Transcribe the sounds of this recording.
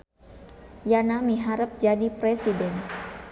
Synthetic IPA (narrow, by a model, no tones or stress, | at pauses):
janamiɦaɾəp̚d͡ʒadipɾesidɛn